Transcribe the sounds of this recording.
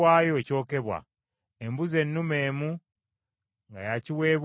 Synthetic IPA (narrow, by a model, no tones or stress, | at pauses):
aːjo̞eco̞ːke̞βwa̰ | embuze̞nːume̞ːmu | ŋɡajaciwe̞ːβ